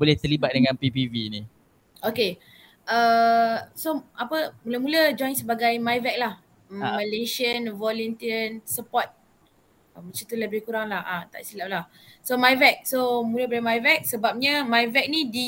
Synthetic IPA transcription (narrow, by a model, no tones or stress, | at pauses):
bolɛht̪ərlibat̪̚dəŋãnpipivini | ʔoke | ʔə | soapəmuləmũləd͡ʒɔjnsəbaɡajmajvɛk̚lah | mːəleʃiənvɔlɛnt̪iənsəpɔt̪̚ | əmət͡ʃut̪uləbɪhkuɾaŋlahat̪a̰ʔisilap̚lah | somajvɛk̚somuləbalamajvɛk̚səbap̚ɲəmajvɛk̚nidi